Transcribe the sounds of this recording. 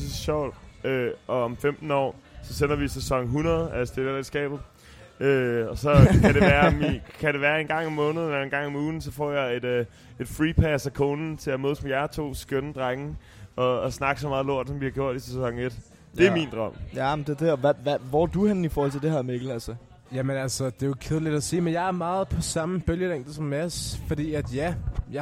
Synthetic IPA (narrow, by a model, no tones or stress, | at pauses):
ssɕɒʊ̰d̥øʔɒ̽ɒ̽mfemd̥n̩ɒ̰ːsɒ̽sen̰ɐʋisesɒ̽ŋ̰ɦunɐð̞̩ˠæsd̥e̝d̥ele̥sɡ̥ɛ̰ːb̥ð̩ˠ | øɒ̽sɒ̽kʰæɾ̥eʋæːɐmikʰæɾ̥e̝ʋæːɐe̝nɡ̥ɑ̈ŋ̰ɒ̽mːɔ̽ːnð̞̩ˠelɐe̝nɡ̥ɑ̈ŋ̰ɒ̽muːn̩sɒ̽fɒ̰ːjɑ̈ɪe̝d̥ | e̝d̥fʁipʰæsækʰoːnn̩t͡sʰe̝æmøðˠsɒmjæɐt͡sʰo̝̰ːsɡ̥ønəd̥ʁaɡ̥ŋ̩ | ɒ̽ːsnɑ̈ɡ̥sɒ̽mɑ̈ːðˠlo̝ɐ̰d̥sɒ̽mʋihɑ̈ɡjo̝ɐ̰d̥isesɒ̽ŋed̥ | d̥e̝æɐmind̥ʁɶm̰m̩d̥ed̥eɒʋæʋæʋɒd̥uhænifɔːhɒ̽l̰t͡sed̥e̝hɑmeɡ̥l̩ˠælsɐ | jæmenælsɒd̥e̝jokʰeð̞ˠlid̥æsḭːmenjɑ̈ɪæɐmɑ̈ːð̞̩ˠpʰɒ̽sɑ̈məb̥øljəl̥eŋ̰ɡd̥ðsɒ̽mːæsfɒ̽d̥ḭːæd̥jæjɑ